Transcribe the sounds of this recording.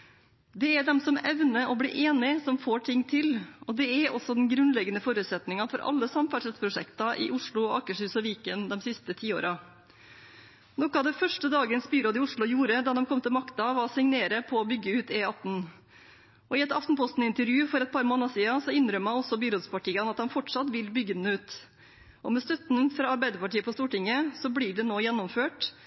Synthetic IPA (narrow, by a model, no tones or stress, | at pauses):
d̪ɛæɖɛmsɔmɛʋnəʔɔblḭːʔeːnɪsɔmfoːʈʰɪŋːt̪ʰɪlɔd̪ɛæɾɔsɔd̪ɛnɡɾʉnlɛɡːənəfoːɾʉːt̪sɛt̪nɪŋɑfɔɾʔɑ̰lːəsɑmfæʂɛt̪pʰɾʊʂɛ̰kt̪ɑʔɪ̰ʔʊʂɭʊɔɑkəʂʉːsɔʋiːkənd̪ɛmsɪst̪ət̪ʰiːo̰ːɾɑ | nɔkɑd̪ɛfœʂʈəd̪ɑːɡənsbyːɾoːd̪ɪʊʂɭʊjuːɾəd̪ɑd̪ɛmkʰɔmːt̪ɪlmɑkt̪ɑʋɑsɪŋneːɾəpʰɔɔːbʏɡːəʉːt̪eːɑt̪n̩ | ɔɪɛt̪ɑft̪n̩pʰɔst̪n̩ɪnt̪əɾjʉːfɔɾɛt̪̚pʰɑːɾmoːnɑsiːɑsɔɪnɾœmːɑnɔsɔbyːɾoːd̪spʰɑʈiːɑnɑt̪d̪ɑmfɔʈʂɑt̪ʋɪlbʏɡənəʉːt̪ | ʔɔmɛst̪œt̪nfɾɑːɑɾbæɪd̪əpɑʈiːəpɔst̪uːʈɪŋəsɔbliːɖɛnoːjɛnːɔmføːʈ